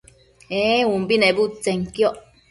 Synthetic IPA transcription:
ewumbinẽbut͡seŋkjoʔ

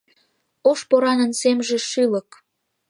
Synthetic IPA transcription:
oʃpoɾɑnənsemʒeʃilək

